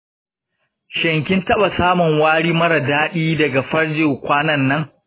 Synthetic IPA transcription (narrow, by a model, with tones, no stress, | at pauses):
ʃɐ˨ŋkʲɪ˦ntɐ˦ɓa˨saː˦mʊ˨ŋwaː˦ɽiː˦mɐ˦ɽɐ˨daː˦ɗiː˦dɐ˨ɡa˨ɸɐ˦ɽd͡ʒɪ˨ŋkʷaː˦nɐ˦nːɐ˦ŋ